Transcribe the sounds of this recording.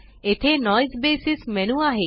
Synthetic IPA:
et̪ʰenɔjsbeːsismenuaɦe

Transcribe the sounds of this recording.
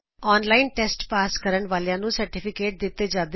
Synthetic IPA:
ɔːnlaːinʈɛːsʈpaːskəɾəɳʋaːljãːnũːsəɾʈɪpʰɪkeːʈ̚d̪ɪt̪ːeːd͡ʒaːd̪

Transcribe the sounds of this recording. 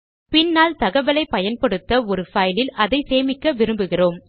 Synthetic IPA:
pɪnːaːlt̪ɐɣɐʋɐlɐɪpɐjɐnpɐɽɯt̪ːɐɔɾɯfɐjlɪlɐðɐɪseːmɪkːɐʋɪɾɯmbɯɣɪroːm

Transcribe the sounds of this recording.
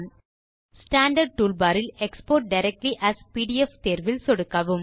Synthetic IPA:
n | sʈãːɳɖɐɾɖ̚ʈuːlbaːɾɪlekspoːɾʈ̚ɖɐɪɾɛk̚ʈliʔæspiːɖiɛft̪eːɾʋɪlsɔɽɯkːɐʋɯm

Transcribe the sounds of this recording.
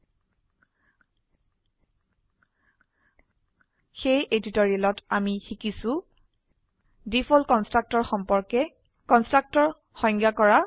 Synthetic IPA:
xejʔeditoɹilɔtamixikisʊ | dipʰɔlkɔnstɹak̚tɔɹxɔmpɔɹkɛ | kɔnstɹak̚tɔɹ | xɔŋɡjakɔɹa

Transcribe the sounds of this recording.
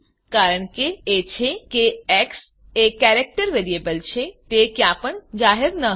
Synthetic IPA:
kaːɾəɳ̃keet͡ʃʰekeɛks | ekɛːɾek̚ʈəɾʋeːɾiebəlt͡ʃʰet̪ekeaːpəɳd͡ʒaːɦɪɾnə

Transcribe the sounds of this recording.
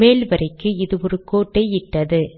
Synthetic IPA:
eːlʋɐɾɐɪkːɯɪðɯɔɾɯkoːʈːɐɪɪʈːɐðɯ

